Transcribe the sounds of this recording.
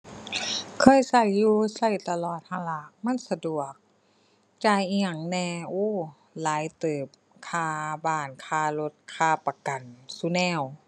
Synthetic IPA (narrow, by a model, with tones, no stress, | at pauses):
kʰɤː˧˥˨jsa˧˩jːuː˧sa˧˩jt̪a˧lɔː˧˨˩t̪̚ha˧˨la˧˩˦ma˧˥˨nsa˧du˨˩ək̚ | t͡ɕaː˧˩jʔŋa˧˩ŋnɛː˧˩ʔuː˧˥˩ | laː˨˦jt̪ɤː˨˩p̚ | kʰaː˧˩baː˧˩nkʰaː˧˩lo˧˥t̪̚kʰaː˧˩pa˧ka˨˩nsu˧˦nɛː˧˥˩w